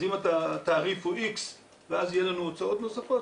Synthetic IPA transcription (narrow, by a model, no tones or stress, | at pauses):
zimat̪at̪aːʁifuʔiks | veazjelanuot͡sao̞t̪nosafot